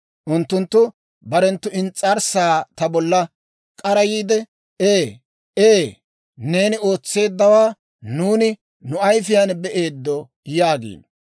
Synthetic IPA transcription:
ʔʊnt̪ːʊnt̪ːʊ | bɐɾɛnt̪ːʊɪnt͡sʼːɐɾsaːt̪ɐbɔlːɐ | kʼɐɾɐjiːd̪ɛ | eː | eː | ne̞ːnɪo̞ːt͡sːe̞ːd̪ːɐwaː | nuːnɪ | nʊɐjfɪjanbɛʔeːd̪ːɔ | jaːɡḛː

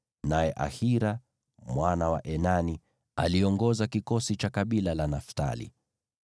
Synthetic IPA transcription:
najɛʔa̰hiɾa | mwanawaʔɛnani | a̰liɔŋɡɔzakikɔsit͡ʃakaɓilalanafta̰lḭ

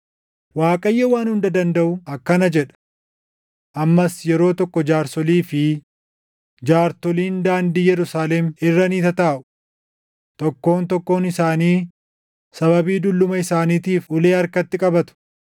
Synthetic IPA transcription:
waːkʼɐjːɐwaːnhʊnd̪ɐd̪ɐnd̪ɐʔʊɐkːɐnɐd͡ʒɛᶑɐ̥ | ʔɐmːɐsjɛɾo̞ːt̪ɔkːɔd͡ʒaːɾsɔliːfɪ | d͡ʒaːɾt̪ɔliːnd̪aːnd̪iːjɛɾʊsaːlɛmɪrːɐniːt̪ɐt̪aːʔʊ̥ | t̪ʼɔkːo̞ːnt̪ɔkːo̞ːnɪsaːniː | sɐbɐbiːd̪ʊlːʊmɐɪsaːniːt̪iːfʔʊleːɐɾkɐt̪ːɪkʼɐbɐt̪ʊ̥

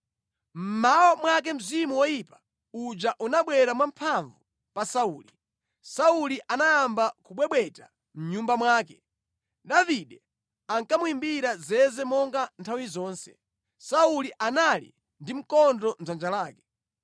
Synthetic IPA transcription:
m̩mawɔmwak̬ɛm̩zimuwɔjipḁ | ud͡ʒaʔunaɓwɛɾamwam̩pʰaɱvu | pasauːli | sauliʔanajambakuɓwɛɓwɛta | m̩ɲumbamwaːkɛ | ɗaviɗɛ | aŋkamuimbiɾazɛzɛmɔŋɡantʰawizɔːnsɛ̰ | sauliʔanalḭ | ndim̩kɔndɔnzand͡ʒalaːkɛ̥

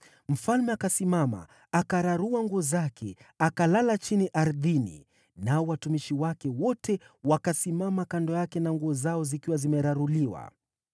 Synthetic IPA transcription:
m̩falmɛakasimama̰ | akaɾaɾuaŋɡuɔzakʰɛakalalat͡ʃiniʔaɾðinḭ | naɔwatumiʃiwakɛwɔtɛwakasimamakandɔjakɛnaŋɡuɔzaɔzikiwazimɛɾaɾuliwa̰

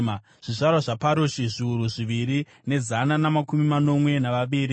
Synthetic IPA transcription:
ma | ʐ̥iʐarwaʐapaɾoʃiʐiuɾuʐiʋiɾi | ne̞zananamakumimano̞mwe̞naʋaʋiːɾi

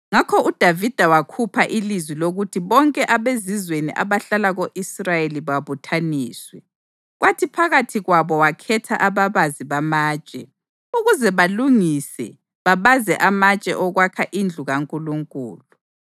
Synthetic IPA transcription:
ŋakʰɔʔud̥ʱavid̥ʱawakʰupʰaʔilizwiloɣutʰiβɔŋkʼɛʔaβezizweniʔa̰βaɬalaɣoʔisrajeliβaβutʰaniːswɛ | ɣwatʰipʰaɣatʰiɣwaβɔwakʰɛtʰa̰ʔaβaβaziβamaːt͡ʃʼɛ | uɣuzɛβaluŋisɛ̰ | βaβazɛʔamat͡ʃʼɛ̰ʔɔɣwakʰaʔind͡ɮʱuɣaŋkʼuluŋkʼṵːlu

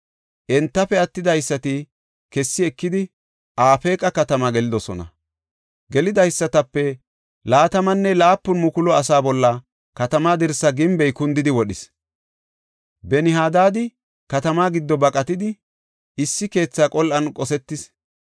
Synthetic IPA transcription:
ʔɛnt̪ːɐfɛɐt̪ːɪd̪ɐjsːɐt̪ɪ | kɛsːɪɛkːɪd̪ɪ | ʔaːfeːkʼɐkɐt̪ɐmaɡɛlɪd̪ɔsɔnɐ̰ | ɡɛlɪd̪ɐjsːɐt̪ɐpːɛ | laːt̪ɐmɐnːɛlaːpːʊnmʊkʊlɔɐs̬aːbɔlːɐ | kɐt̪ɐmaːd̪ɪɾsːɐɡɪmbɛjkʊnd̪ɪd̪ɪwɔɗɪs | bɛnɪɦaːd̪aːd̪ɪ | kɐt̪ɐmaːɡɪd̪ːɔbɐkʼɐt̪ɪd̪ɪ | ʔɪsːɪke̞ːt͡sːakʼɔlʔɐnkʼɔsɛt̪ːɪs

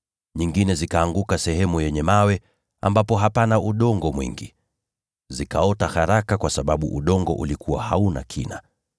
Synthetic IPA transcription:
ɲiŋɡinɛzikaːŋɡukasɛhɛmujɛɲɛmawɛ | a̰mbapɔɦapanaʔuɗɔŋɡɔmwḭŋɡi | zikaɔtaxaɾakakwasaɓaɓuʔuɗɔŋɡɔ̰ʔulikʰuwa̰hauna̰kʰina̰

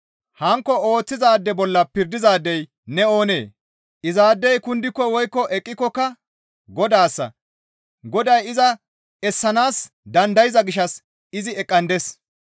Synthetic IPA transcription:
hɐŋkːɔo̞ːt͡sːɪzaːd̪ːɛbɔlːɐpɪɾd̪ɪzaːd̪ːɛj | nɛo̞ːne̞̰ː | ʔɪzaːd̪ːɛjkʊnd̪ɪkːɔwɔjkːɔʔɛkʼːɪkːɔkːɐ | ɡɔd̪aːsːɐ̰ | ɡɔd̪ɐjɪzɐ | ɛsːɐnaːs | d̪ɐnd̪ɐjɪzɐɡɪʃɐs | ɪzɪɛkʼːɐnd̪es

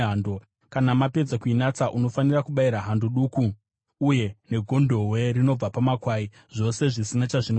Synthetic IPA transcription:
ɦando | kanamape̞d͡zakuinat͡saʔuno̞fanirakuɓaiɾaɦandoɗuːkuː | je̞ne̞ɡʱo̞ndʱo̞ɦwe̞rino̞b͡vapamakwaːi | ʐ̥o̞se̞ʐisinat͡ʃaʐin

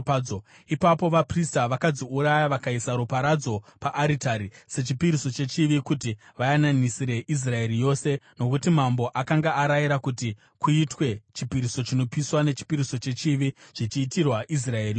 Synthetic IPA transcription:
o | ipapo̞ʋapristaʋakad͡ziuɾajaʋakaisaɾupaɾad͡zo̞paʔaɾitaɾise̞t͡ʃipiɾiso̞t͡ʃe̞t͡ʃiʋikutiʋajananisiɾe̞ʔis̬rae̞ɾijo̞se̞no̞kutimambo̞ʔakaŋɡaʔaɾajiɾakuti | kuitwe̞t͡ʃipiɾiso̞t͡ʃino̞piswane̞t͡ʃi̥piɾiso̞t͡ʃe̞t͡ʃiʋiʐ̥it͡ʃiːtirwaʔis̬rae̞ri

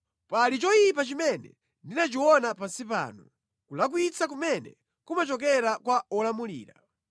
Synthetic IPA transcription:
palit͡ʃɔjip̬at͡ʃimɛnɛ̰ | ndinat͡ʃiwɔnapasipa̰ːnu | kulak̬wit͡sak̬umɛnɛ̰ | kumat͡ʃɔk̬ɛɾakwaɔlamulḭːɾa

